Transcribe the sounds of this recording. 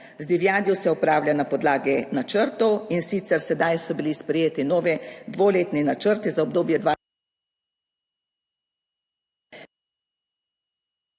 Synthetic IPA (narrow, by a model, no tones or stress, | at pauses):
zd̪iʋjaːd̪jɔsɛɔpɾaːwlʲjanapɔd̪laːɡɛnat͡ʃəɾt̪ɔwinsit̪sɛɾsɛd̪ajsɔbilispɾɛjeːt̪inɔːʋɛd̪ʋoːleːt̪ninat͡ʃəɾt̪izaɔbd̪oːbjɛd̪ʋa